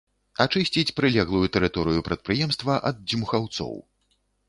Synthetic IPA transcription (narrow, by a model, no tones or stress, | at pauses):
at͡ʂɨsʲt͡sʲit͡sʲpɾɨlʲɛɣlˠujut̪ɛɾɨt̪ɔɾɨjupɾɐt̪̚pɾɨjɛmst̪vɐʔɐd̪̚d͡zʲimuxawt̪sɔ̰w